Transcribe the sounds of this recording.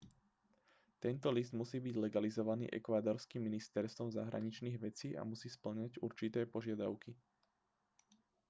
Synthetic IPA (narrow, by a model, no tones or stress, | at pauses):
t̪ɛnt̪ɔlizd̪musiːbiɟlɛɡalizɔʋanḭːʔɛ̰kʋaːd̪ɔɾskimːinist̪ɛɾst̪ʋɔmzaɦɾa̰ɲit͡ʃniːɣʋɛt͡siːʔa̰musiːspl̩ɲaɟuɾt͡ʃit̪ɛːpɔʒɪad̪aʊki